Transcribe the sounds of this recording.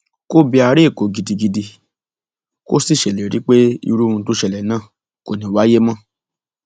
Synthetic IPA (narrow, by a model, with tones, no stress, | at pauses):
ko˦bi˧a˧ɾe˦˨ko˨˦ɡi˧di˧ɡi˧di˧ | ko̰˦si˦˨ʃɛ˨le˨ɾi˨˦k͡pe˦ḭ˧ɾu˦mũ˧˦to˦ʃɛ˧˨lɛ˨nãː˦˨ | ko˨nĩ˨wa˨˦je˦mɔ̃˦